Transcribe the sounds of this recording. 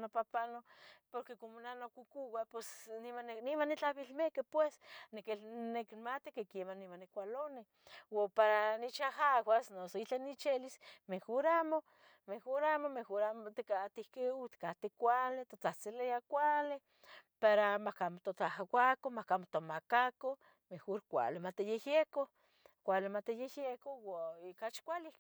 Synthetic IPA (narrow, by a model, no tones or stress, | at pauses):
nopapanopoɾkekomonanokʷukuwapwesnimannimanːit͡ɬaβilmekepwesnekelnekmat̪ikekemanːimanːikʷalone | wopaɾanit͡ʃahawasnosoit͡ɬanit͡ʃelismexoɾamo | mexoɾamomexoɾamot̪ekat̪ihkeut̪kat̪ekʷalet̪ot͡saht͡silejakʷale | paɾamahkamot̪ot̪ahawakomahkamot̪omakako | mexoɾkʷa̰lemat̪ejejeko | kʷalemat̪ejejjekowaikat͡ʃkʷalihke̥